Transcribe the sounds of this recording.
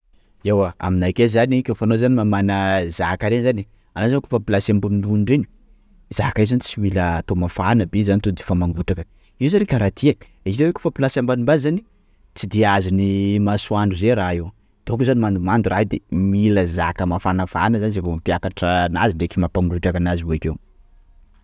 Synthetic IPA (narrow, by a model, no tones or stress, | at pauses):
ewaa̰minakezanikʲefanozanimamanəzakaɾenzani | anazankofəpilasambamind̪unuɳɖ͡ʐeni̥ | z̥akajzanit͡siwilət̪omafanəbezanit̪od̪i̥famaŋɡuʈ͡ʂakə | iwzanekaɾat̪ʰiakə̥ | eit̪eweko̥fəpilasambanimbazani̥ | t͡sid̪iazinimaswaɳɖ͡ʐuzeɾaew | d̪̥okuzanimand̪umand̪uɾaɦed̪ḛmiləzakəmafanəfanəzanizevomapjakaʈ͡ʂənaziɳɖ͡ʐekimapamuruʈ͡ʂakanazivoikew